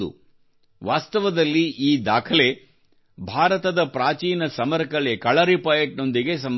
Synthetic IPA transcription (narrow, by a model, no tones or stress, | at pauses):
ṵ | ʋaːst̪ɐʋɐd̪ɐlːiiːd̪aːkʰɐle̞ | bʱaːɾɐt̪ɐd̪ɐpɾaːt͡ʃiːnɐsɐmɐɾkɐɭekɐɭɐɾipɐjeʈ̚no̞nd̪iɡe̞s̬ɐm